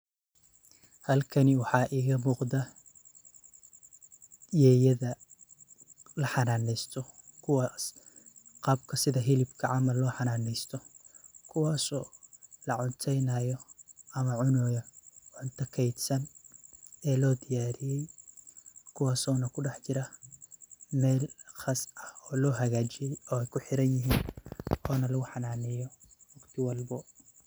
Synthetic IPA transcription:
hɐlkʰɐnɪwɑħɑːʔiːɣɐmuːqd̪ɐ | jɛːjɐðɐ | lɐħɑnaːnɛjst̪ʰɔkʰʊwɑs | qɑːb̚kʰɐsɪðɐɦɪlɪbkʰɐʕɑmɐlːɔːħɑnaːnɛjst̪ʰɔkʰʊwɑːsɔːlɐʕʊnt̪ʰɛjnɐjɔʔɐmɐʕʊnɔːjɐʕʊnt̪ʰɐkʰɛjd̪sɐn | ɛːlɔːd̪ɪjaːɾɪjɛj | kʰʊwɑːsɔːnɐkʰʊɖɛħt͡ʃɪɾɐ | mɛːlχɑsɐhɔːlɔːɦɐɣaːt͡ʃɪjɛjɔːɛjkʰʊħɪɾɐnjɪɦiːnɔːnɐlɐɣʊħɑnaːnɛjɔ | wɐɡt̪ʰɪwɑlbɔ

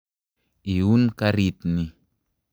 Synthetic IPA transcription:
iunkaɾit̪ni

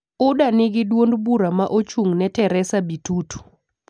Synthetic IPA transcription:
ʊdanɪɡɪdwondbuɾamaʔot͡ʃuŋnɛtɛɾɛsabitutu̥

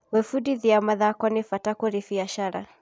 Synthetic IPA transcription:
wɛfudiðiamaðakɔnifatakɔɾifiaʃaɾa̰

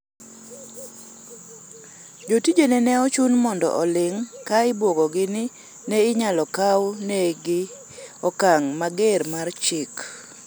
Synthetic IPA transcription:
d͡ʒotid͡ʒonenɛɔt͡ʃunmɔndɔ̰ʔɔlɪŋkaɪbwoɡɔɡɪnɪ | nɛɪɲalɔkawnɛɡɪ | ɔkaŋmaɡermart͡ʃɪk

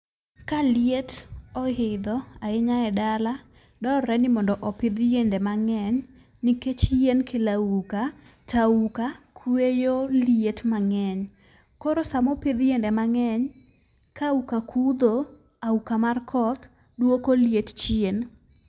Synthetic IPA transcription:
kalietɔhɪd̪ɔaɪɲaɛdala | dɔɾɛnɪmɔndɔʔɔpɪd̪jendɛmaŋɛɲ | niket͡ʃjenkʰelaukataukakʰwejolietmaŋɛɲ | koɾosamɔpɪd̪jendɛmaŋɛɲ | kaukakʰud̪o | aukamarkʰɔt̪ | dwokoljett͡ʃien

